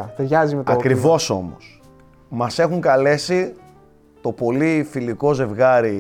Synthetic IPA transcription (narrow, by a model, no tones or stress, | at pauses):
t̪eɾʝɐzimet̪oɐkɾivo̞so̞mo̰s | mɐse̞xuŋkɐle̞si | t̪o̞po̞lifiliko̞ze̞vɣɐɾi